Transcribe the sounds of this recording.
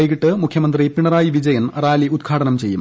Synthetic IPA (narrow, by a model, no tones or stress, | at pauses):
jikiʈːɨmukʰjɐmɐnd̪ripiɳɐraːjiʋid͡ʑɐjɐnraːliud̪ɡʰʱaːʈɐnɐmt͡ɕe̞jːṵm